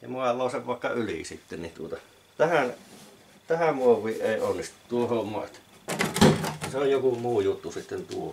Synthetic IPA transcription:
jɑ̰muɑlːˑoˑːseʋʋɑˑekːɑylḭˑsit̪ːennit̪uot̪ɑ | t̪æhæn | t̪æhæmmuoʋˑiːʔʔeˑionːist̪u̥tt̪uohommoɑ̰t̪ | seojjokumuːjut̪ːusit̪ːent̪uo

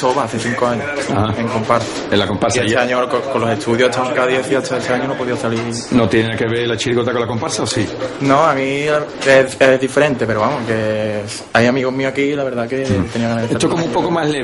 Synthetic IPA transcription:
toβaaθeθiŋkoaɲohaeŋko̞mpaɾsḁelakompaɾsiaet̪eaɲokokonlo̞se̞t̪ʰuðjohet̪ʰamoŋkaðjeθiat̪ʰaet̪eaɲonopoðioθali | not̪jenenakeβelat͡ʃiliɣot̪akolakompaɾsaosinõamĩeeðife̞ɾe̞nt̪e̞pe̞ɾoβamoke̞ | ajamiɣoɦmĩoakilaβe̞ɾðake̞t̪e̞niaɣanaeteat̪okomũmpokomaɦle

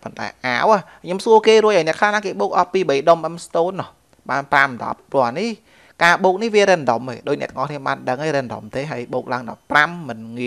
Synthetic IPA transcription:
pont̪a̰ɛʔaːwakʰɲomsuəkeːruəc̚ʔaɔjnɛ̆əkʰlahnaːkeːɓoːk̚ʔɑpiːɓəjɗomʔɛmst̪oːnːɔh | ɓaːnpramɗɑ̰pːronih | kaːɓoːk̚nihʋiəɾɛnɗomeːɗoːc̚nɛ̆ət̪ʰːəŋʔɑhkʰniəmɓa̰ːnɗəŋhaəːjɾɛnɗo̰mt̪eːɦaəjɓoːk̚laːəŋɗɑ̰pːramːɨnŋi

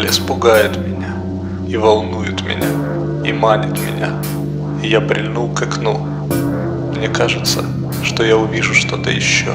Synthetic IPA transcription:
lʲɪspʊɡajʊt̪mʲɪnʲa | ivɐlˠnujʊt̪mʲɪ̰nʲa | imanʲɪt̪mʲɪ̰nʲa̰ | ɪjapɾʲɪ̰lʲnukɐknu | mnʲekaʐɨt̪sə | ʂt̪ojaʊvʲiʐʊʂt̪o̞t̪ə̰jɪɕːo̰

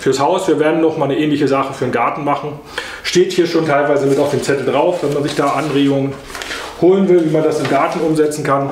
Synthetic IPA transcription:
fyːɐshaʊsv̥iːɐveːɐdn̩ːɔχmaːlnəʔɛːnlɪçəzaχəfyːɐenɡaɐtn̩maχn̩ | ʃteːthiːɐʃoːntʰaɪlvaɪzəmɪtaʊfd̥eːmt͡sɛtl̩dʁaʊfv̥ɛnmanzɪçd̥aːʔanʁeːɡʊŋə | hoːlənvɪlviːmandasɪmɡaɐtn̩ʊmzɛt͡sn̩kʰan

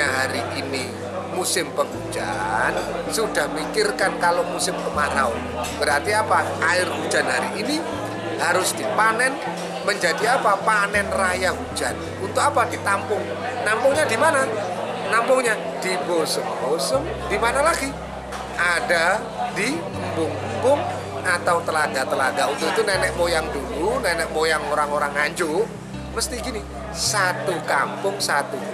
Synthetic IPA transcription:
aɦaɾiʔini | musɪmpəŋɦud͡ʒa̰nsudahməikɪrkankalomusɪmkəmaɾa̰ʊ̰nb̥əɾart̪iapa | aɪrɦud͡ʒanɦaɾiʔini | haɾʊsd̥ipanɛn | məɲd͡ʒadiapapanɛnrajaɦud͡ʒan | unt̪ʊkapad̥it̪ampʊŋ | nampʊŋɲadimana | nampʊŋɲa | d̥ibosʊmbosʊm | d̥imanalaɡi | ʔada | di | mbʊŋmbʊŋ | at̪awt̪əlaɡat̪əlaɡaunt̪ʊit̪unɛnɛʔmojaŋdulunɛnɛʔmojaŋoɾaŋoɾaŋːaɲd͡ʒʊ | məst̪iɡini | sat̪ukampʊŋsat̪u

